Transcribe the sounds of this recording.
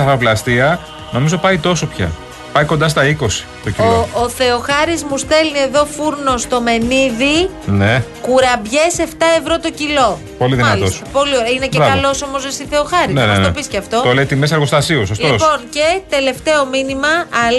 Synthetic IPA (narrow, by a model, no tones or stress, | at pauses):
ɐfɐvlɐst̪iɐ | no̞mizo̞pɐit̪o̞so̞pçɐ̰ | pɐjko̞nd̪ɐst̪ɐiko̞si̥t̪ociloooθe̞o̞xɐɾizmust̪e̞lnie̞ðo̞fuɾno̞st̪o̞me̞niði | nekuɾɐbʝe̞se̞ft̪ɐe̞vɾo̞t̪o̞cilo̞ | po̞liðinɐossɐpo̞lioɐine̞ceɾɐɐlo̞somozisiθe̞oxɐɾinenɐesno̰pisceɐft̪o̞t̪olet̪imesɐɾɣo̞st̪ɐsios̬oslt̪iopo̞ncet̪e̞le̞ft̪e̞o̞minimɐɐl